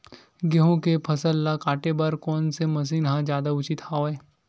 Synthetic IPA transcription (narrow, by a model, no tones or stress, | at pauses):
ɡeɦõkepʰɐsəlːakaːʈebaɾkɔːnsemɐs̬iːnɦãd͡ʒjaːd̪aʊt͡ʃɪt̪haoeː